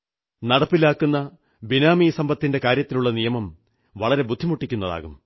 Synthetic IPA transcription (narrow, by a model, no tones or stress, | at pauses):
nɐɽɐpːilaːkːunːɐ | binaːmijsɐmbɐt̪ːinde̞kaːɾjɐt̪ːiluɭːɐnijɐmɐm | ʋɐɭɐɾe̞bud̪ʱːimuʈːikʲːunːɐða̰ːɣum